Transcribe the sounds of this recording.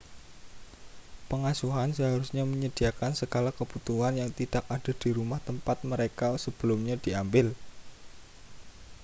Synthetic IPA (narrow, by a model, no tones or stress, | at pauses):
pəŋasuɦansəɦaɾusɲaməɲəd̥iakansəɡalakəb̥ut̪uɦanjaŋt̪id̥ak̚ad̥a̤d̥iɾumaht̪əmpat̪̚məɾekasəb̥əlʊmɲadiambɪl